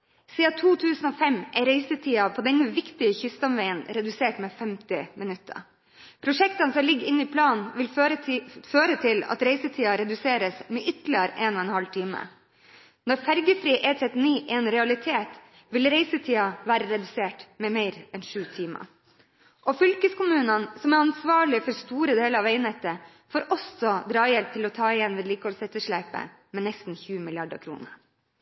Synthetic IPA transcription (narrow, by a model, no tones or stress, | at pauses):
siːɑt̪ʰuːt̪ʰʉːsənoːfɛmʔɛɪɾeɪsət̪ʰiːɑpʰoːd̪ɛnːəʋɪkt̪ɪəçʏst̪ɑmʋæɪənɾɛd̪ʉseːʈmɛːfɛmt̪ɪmɪnʉt̪ːə̰ | pʰɾʊʂɛk̚t̪ɑnəsɔlɪɡɪnːiːpʰlɑːnʋɪl | føːɾət̪ʰɪlɑ̰t̪ɾeɪsət̪ʰiːɑɾɛd̪ʉseːɾəsmɛːʔʏt̪lɪəɾeːnɔːɛnhɑlt̪ʰiːmə̰ | nɔɾfæɾɡəfɾiːʔɛt̪ʰɾɛt̪ːɪniːʔɪɛnɾɛɑlɪt̪ʰeːt̪ | ʋɪlɾeɪsət̪ʰiːɑʋæːɾəɾɛd̪ʉseːʈmɛmeɪɾɛnʂʉːt̪ʰiːmɑ̰ | ʔɔfʏlkəskʊmʉːnənsɔmæɾɑnsʋɑːɭɪfɔɾst̪uːɾəd̪eːləɾɑʋeɪnɛt̪ə | foːɾʔɔsɔd̪ɾɑːjɛlp̚t̪ʰɪlɔt̪ʰɑːɪjɛnːʋɛːd̪liːkɔlsɛt̪ːəʂɭæɪpə̰ | mɛnɛst̪n̩çʉːəmɪlɪɑɖɑ̰kʰɾṵːnə̰ɾ